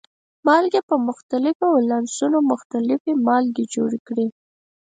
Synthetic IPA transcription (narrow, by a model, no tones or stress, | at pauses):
mɑlɡepəmʊxt̪alɪfowlansunomʊxt̪alɪfemɑlɡed͡ʒoɽikɽi